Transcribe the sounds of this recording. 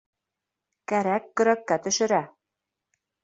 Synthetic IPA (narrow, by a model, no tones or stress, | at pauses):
kæɾækːɵ̆ɾækːæt̪ɵ̆ʃɘ̆ɾæ